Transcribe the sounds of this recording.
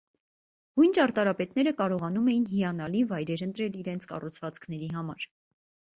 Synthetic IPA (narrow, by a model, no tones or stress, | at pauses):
hujnt͡ʃɑɾt̪ɑɾɑpɛt̪nɛɾəkɑɾɔʁɑnumɛjin̪ɦijɑnɑlivɑjɾɛɾənt̪ɾɛliɾɛnt͡sʰkɑ̰rut͡sʰvɑt͡skʰnɛɾiɦɑmɑɾ